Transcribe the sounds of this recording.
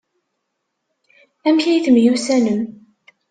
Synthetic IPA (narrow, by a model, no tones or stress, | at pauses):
æmçæjθəmjusænəm